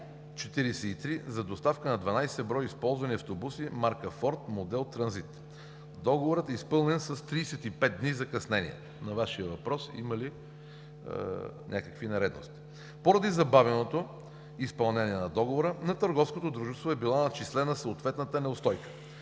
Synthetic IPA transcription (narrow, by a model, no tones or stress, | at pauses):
t͡ʃɛt̪iɾisɛit̪ɾizɐd̪ost̪afkənɐd̪vɐnajsɛbɾɔjispɔlˠzvɐniɐft̪obusimaɾkəfɔɾt̪mod̪ɛlˠt̪ɾɐnzit̪ | d̪ɔɡovoɾət̪ɛispɤlˠnɛnsɐst̪ɾiːsɛt̪ipɛt̪̚d̪nizɐkɐsnɛnḭɛ̰ | nɐvaʃiəvɐpɾɔsḭmɐlḭ | nʲʔakəkvinɛɾɛd̪no̰st̪i̥ | poɾɐd̪izɐbavɛnot̪o | ispɐlˠnɛniɛnɐd̪ɔɡovoɾənɐt̪əɾɡɔfskot̪od̪ɾuʒɛst̪voɛbilˠɔnɐt͡ʃislɛnəsoːt̪vɛt̪nət̪ənɛost̪ɔjkə̥